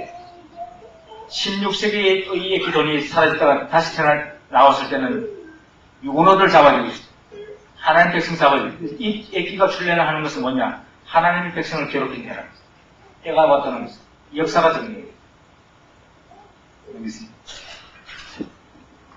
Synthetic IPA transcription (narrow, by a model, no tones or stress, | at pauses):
ɕʰimɲuk̚ɕ͈eɡiɯiekitoɲisʰaɾad͡ʑit͈aɡataɕʰi̥t͡ɕʰananaʌs͈ɯɭt͈e̞nɯn | jonʌdɯɭt͡ɕabad͡ʑiɡo̥ | hanaɲimpe̞ks͈ʌŋs̬ʰaɡɯiek͈iɡat͡ɕʰuɭːenɯɦanɯnɡʌsʰɯnmwʌɲa | hanaɲimpe̞k̚s͈ʰʌŋɯɭkʌɾokʰentʰeɾa | t͈eɡawat͈̚ʌnɯnʌs | jʌk̚s͈aɡat͡ɕɯŋɲie